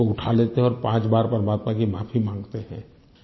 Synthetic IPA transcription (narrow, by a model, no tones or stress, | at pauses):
oʊʈʰaleːt̪eɦɛ̃ɔːɾpãːt͡ʃbaːɾpɐɾmaːt̪makimaːpʰimãːŋɡt̪eɦɛ̰̃ː